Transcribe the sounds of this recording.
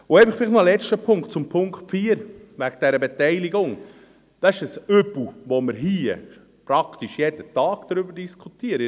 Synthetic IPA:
ʊɛɪfəχfɪliχtnmɑlɛt͡ʃtəpʰʊŋktt͡sʊmpʰʊŋkfiːəɾʋæɡd̥ɛɾəbetɛɪliɡʊŋ | d̥ɑɪʃəsøbl̩uʋoməɾɦiː | pɾɑkt̪iʃjedətɑːɡ̥d̪̥ɾʏbəɾd̥iskʰut̪iəɾə

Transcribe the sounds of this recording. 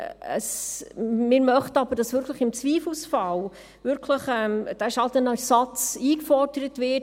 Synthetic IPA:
ə̰s | mɪɾmœχtɑb̥əɾd̥ɑsʋʏɾkʰləχɪmt͡sʋiːfusfɑl | ʋʏɾkʰləχɛmd̥æɪʃɑltɛnɑlssɑt͡siːkfɔrd̥əɾətvɪ

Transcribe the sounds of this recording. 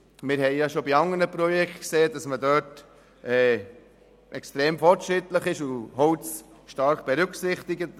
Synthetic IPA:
mɪɾɦɛɪjɑʃobiɑŋənəpɾɔjɛktkseːd̥ɑsmədøːt | ʔɛː | ʔɛkst̪ɾeːmfɔɾtʃɾɪtləχɪʃʊɦɔwt͡sʃtɑɾχb̥ɛɾʉksɪχt̪ɪɡət

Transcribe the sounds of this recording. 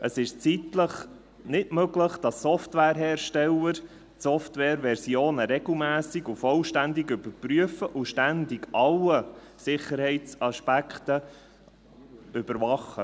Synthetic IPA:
ʔəsɪʃt͡sitləχ | nɪtmøɡləχd̥ɑsːɔftwɛːɾɦɛːɾʃtɛləɾ | tsɔftʋɛːɾʋɛɾsioːnəɾɛɡl̩mæːsɪɡufɔlʃtænd̪ɪɡʏbəɾpɾyəfəʔuʃtænd̪ɪɡɑlə | sɪχəɾhɛɪt͡sɑʃpækχtə | ʏb̥əɾvɑχə

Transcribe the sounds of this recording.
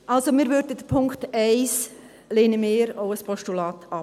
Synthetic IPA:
ʔɑlsomiːɾʋʏɾdədəpʰʊŋktɛɪs | leːnəmeːɾoʊəspʰɔʃtulɑːtɑ

